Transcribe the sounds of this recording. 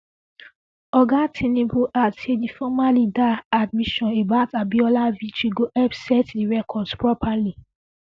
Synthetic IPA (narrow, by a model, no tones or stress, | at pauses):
ɔɡãtʰenebuʔatedifɔmalidaad̚miʃɔ̃nebaʊtabiɔlavitiɡoʔɛbsɛtdiɹɛkʰɔdspɹɔpʰali